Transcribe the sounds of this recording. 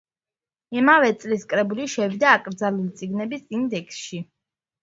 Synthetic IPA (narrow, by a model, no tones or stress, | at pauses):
imavɛt̪sʼliskʼɾɛbuliʃɛvid̪aːkʼɾd̪zalulit̪sʼiɡnɛbisind̪ɛksʃi